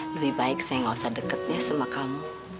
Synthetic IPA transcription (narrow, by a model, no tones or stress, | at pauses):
ləwihbaɪk̚sajaŋawasadəkət̪̚ɲasəmakamu